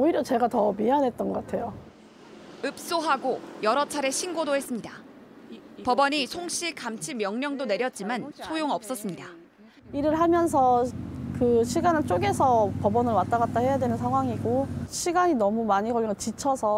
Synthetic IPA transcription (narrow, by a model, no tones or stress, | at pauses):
oiɾjʌt͡ɕe̞ɡatʌmianɦe̞t̚t͈ʌnɡʌk͈atʰe̞jo | ɯp̚s͈oɦaɡojʌɾʌt͡ɕʰaɾe̞ɕʰinɡodoɦe̞s͈ɯmɲida | pʌbʌɲisʰoŋɕ͈ʰikamt͡ɕʰimjʌŋɲʌŋdone̞ɾjʌt̚t͡ɕ͈imansʰojoŋʌp̚s͈ʌs͈ɯmɲida | iɾɯɭɦamjʌns̬ʰʌkɯɕʰiɡanɯɭt͡ɕ͈oɡe̞sʰʌpʌbʌnɯɭwat̚t͈aɡat̚t͈ahe̞jadwenɯnsʰaŋɦwaŋiɡoɕʰiɡaɲinʌmumaɲiɡʌmiɡt͡ɕit͡ɕʰʌsʰʌ